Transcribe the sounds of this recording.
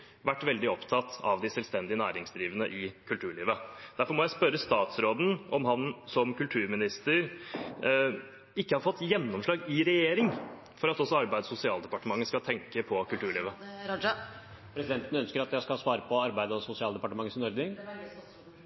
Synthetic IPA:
ʋæʈːʋɛld̪ɪɔpt̪ʰɑt̪ɑ̰ʋd̪ɪsɛlst̪ɛnd̪ɪənæ̰ːɾɪŋsd̪ɾiːʋənə̰ʔɪkʰʉlt̪ʰʉːɭiːʋəd̪̥æɾfɔɾmɔjæɪspœɾəst̪ɑːt̪sɾoːd̪n̩ɔmɦɑnsɔmkʉlt̪ʰʉːɾmɪnɪst̪əɾ | ɪkːəhɑɾfɔt̪ːjɛnːɔmʂɭɑːɡɪɾɛjeːɾɪŋ | fɔɾɑt̪ɔsːɔɑɾbæɪd̪sʊsɪɑːld̪ɛpɑʈəmɑŋːəskɑlt̪ʰɛŋkəpʰɔkʉlt̪ʉːɭiːʋə | pʰɾɛsɪd̪ɛnt̪ənəœnskəɾɑt̪̚jæskɑɑsʋɑːɾəpʰɔɑɾbæɪd̪ɔsʊsɪɑːld̪ɛpɑʈəmɑŋːəsɪnɔɾɡ̪ə

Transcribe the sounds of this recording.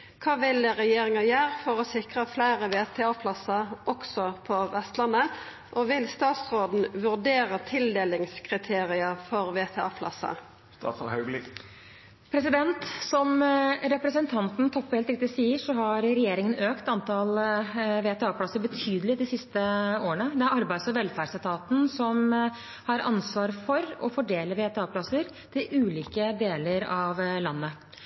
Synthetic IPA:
kʰɑːʋɪlɾɛjeːɾɪŋɑjøːʁfɔɾɔsɪkɾəflæɪɾəʋeːt̪ʰɛɑːpʰlɑsːɑɔksɔpʰɔʋɛst̪lɑnə | ʔɔʋɪlst̪ɑːt̪sʁoːd̪n̩ʋʉʁd̪eːɾət̪ʰɪld̪eːlɪŋskʰʁɪt̪ʰeːɾɪəfɔɾʋeːt̪ʰɛɑ̰ːpʰlɑ̰sɑ̰ | st̪ɑ̰ːt̪sɔhœblɪ | pʰɾɛsɪd̪ɛnt̪sɔmɾɛpɾəsənt̪ʰɑnt̪n̩t̪ʰɔpːheːlt̪ɾɪk̚t̪ɪsiːəʂɔɦɑɾɾɛjeːɾɪŋənøːkt̪ɑnt̪ʰɑlʋeːt̪ʰɛɑːpʰlɑsːəɾbət̪ʰyːd̪əlɪd̪ɪsɪst̪əoːəɳəd̪ɛæɾɑɾbæɪsɔʋɛlfæʂæt̪ʰɑːt̪n̩sɔm | hɑɾɑ̰nsʋɑːɾfɔɾɔfɔɖeːləʋeːt̪ɛɑːpʰlɑsəɾ | t̪ʰɪlʉːliːkəd̪eːləɾɑʋlɑnːə

